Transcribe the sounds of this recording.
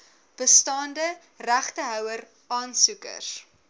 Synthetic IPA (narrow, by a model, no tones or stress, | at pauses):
b̥əstɑːndə | ræχtəɦœwər | ɑːnsukə̰r